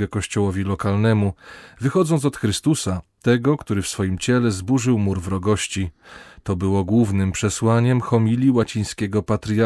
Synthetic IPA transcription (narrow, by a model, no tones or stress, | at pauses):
ɛkɔɕt͡ɕɔwɔvʲilɔkalnɛmuvɘxɔd̪zɔnt̪sɔt̪xɾɘst̪usat̪ɛɡɔkt̪uɾɘfsfɔjimt͡ɕɛlɛzbuʐɘwmuɾvɾɔɡɔɕt͡ɕit̪ɔbɘwɔɡwuvnɘmpʂɛswaɲɛmxɔmʲilʲiwat͡ɕij̃skʲɛɡɔpat̪ɾʲja